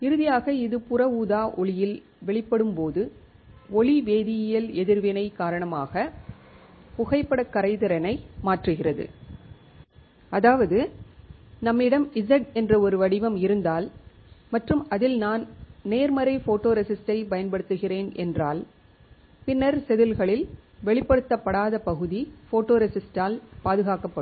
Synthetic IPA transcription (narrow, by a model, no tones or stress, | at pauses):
ɪɾɯðɪjaːɣɐɪðɯpʊrɐuːðaːʔɔɭɪjɪl | ʋɛɭɪpːɐɽɯmpoːðɯ | ɔɭiʋeːðɪjɐjɐlɛðɪɾʋɪnɐɪkːaːɾɐɳɐmaːɣɐ | pʊɣɐɪpːɐɽɐkːɐɾɐɪðɐɾɐnɐɪmaːʈrɯɣɪrɐðɯ̰ | ɐðaːʋɐðɯ | nɐmːɪɽɐmɪzɐʈɛndrɐɔɾɯʋɐɽɪʋɐmɪɾɯnd̪aːl | mɐʈrɯmɐðɪlnaːnneːɾmɐɾɐɪfoːʈːoːɾɛsɪsʈɐɪpɐjɐnpɐɽɯt̪ːɯɣɪreːnʔɛ̰ndraːl | pɪnːɐɾsɛðɯlɣɐɭɪlʋɛɭɪpːɐɽɯt̪ːɐpːɐɽaːðɐpɐɣɯðifoːʈːoːɾɛsɪsʈaːlpaːðɯɣaːkɐpːɐ